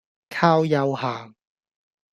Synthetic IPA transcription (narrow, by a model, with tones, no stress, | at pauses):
kʰaː˥wjɐ˧whaː˨˩ŋ